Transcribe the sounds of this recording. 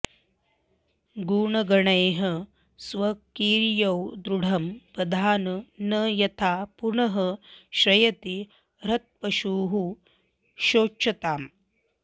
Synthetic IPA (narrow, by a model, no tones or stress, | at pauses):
ɡuːɳɐɡɐɳɐjɦɐ | sʋɐkiːɾjɐwd̪ɾuɽʱɐmpɐd̪ʱaːnɐnɐjɐt̪ʰaːpuɳɐɦɐʃɾɐjɐt̪i | ɾɐt̪̚pɐʃuːɦu | ʃoːt͡ʃʰɐt̪aːm